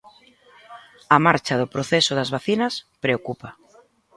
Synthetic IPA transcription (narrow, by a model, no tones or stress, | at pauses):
ɐmaɾt͡ʃaðʊpɾoθesʊðazβaθinɐspɾeokupa